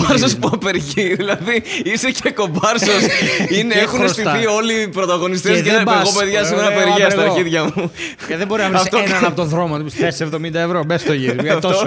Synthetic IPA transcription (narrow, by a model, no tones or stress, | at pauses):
ɐɾs̬ospuɐpe̞ɾʝiðilɐðiise̞ce̞ko̞bɐɾsosineexunest̪iθio̞lipɾo̞t̪ɐɣo̞nis̬t̪ezʝɐeɣope̞ðʝɐs̬imeɾɐpeɾʝiɐst̪ɐʝiðʝɐmu | ðebo̞ɾiznɐvɾiɐft̪oɐnɐpot̪oðɾomoesevðomind̪ɐevɾobest̪oʝiɾɐɐft̪o